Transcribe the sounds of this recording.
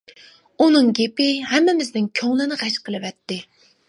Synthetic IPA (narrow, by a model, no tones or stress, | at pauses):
unɨŋɡʲepɪhɛmːɪmɪznɪnkʲʰøŋlɪnɪʁæʃqʰəlˠɨvɛt̪ːɪ